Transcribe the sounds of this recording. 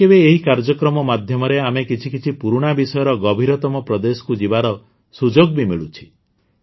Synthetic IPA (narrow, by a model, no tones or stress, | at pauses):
ebeːɦikaɾd͡ʒɔkɾɔmɔmad̪ʱjɔmɔɾeamekit͡ʃʰikit͡ʃʰipuɾuɽ̃abisɔjɔɾɔɡɔbʱiɾɔt̪ɔmɔpɾɔd̪esɔ̥kud͡ʒibaɾɔ | sud͡ʒoɡbimiɭut͡ʃʰi̥